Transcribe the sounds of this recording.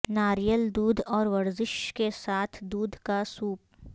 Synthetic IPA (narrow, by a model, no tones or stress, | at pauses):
naːɾijəld̪uːd̪ʱɔːɾʋɐɾzɪʃkesaːt̪ʰd̪uːd̪ʱkasuːp̚